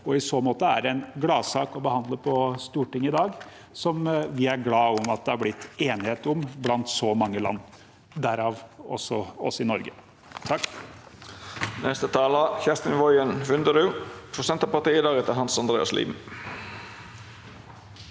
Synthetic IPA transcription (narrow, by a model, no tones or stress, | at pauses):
ɔɪsoːmoːt̪əæ̰ɾɛnɡlɑːsɑːkɔbəhɑnd̪ləpʰɔst̪uːʈɪŋːɪd̪ɑːɡ | sɔmʋɪæɾɡlɑːʊmɑt̪̚d̪ɛhɑɾblɪt̪ʰːeːnɪheːt̪ʊmblɑnt̪sɔmɑŋːəlɑ̰nː | d̪æɾɑːʋɔ̰sɔɔ̰sɪnɔɾɡə | t̪ʰɑkː | nʔɛst̪ət̪ʰɑːləçɛst̪ɪnʋɔʏənʋʉnd̪əd̪ʉpʰɾʊsɛnt̪ɑpɑt̪iːəd̪ɑːɾɛt̪əɦɑnsɑnd̪ɾeːɑ̰slḭːm